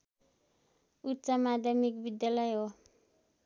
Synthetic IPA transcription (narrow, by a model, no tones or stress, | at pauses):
utt͡samad̪ʱjamikbid̪jalajo